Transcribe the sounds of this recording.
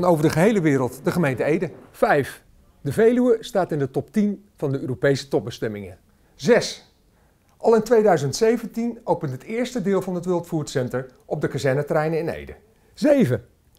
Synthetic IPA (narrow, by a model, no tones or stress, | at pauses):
nowvəɹdəχəɦejləʋɪːɾəlˠtdəχəmejntəejdəfɛjf | dəvejlyəstaːtɪndətɔptin | v̥ɑndəøːropejsə̥tɔp̚bəstɛmɪŋə | zɛs | ʔɑlˠɪntʋejdœɥzəntsejvəntinowpəntɦətɪːɹstədɪːlˠvɑnɦətʋɪlˠtfuːtsɛntəɹ | ʔɔb̚dəkazɛɹnətərɛjnəɪnḛjdə | zejvə